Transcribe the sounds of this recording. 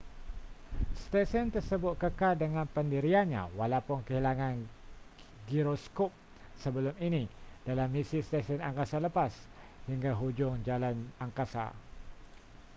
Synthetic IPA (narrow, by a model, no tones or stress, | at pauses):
st̪esənt̪ərsəbʊt̪̚kəkaldəŋãnpəndiɾianɲã̰walawpʊnkəɦilaŋãn | ɡiɾoskop̚ | səbəlʊminid̥alamːisist̪ɛsənaŋkasaləpas | hiŋɡaɦud͡ʒʊŋd͡ʒalanaŋkasa̰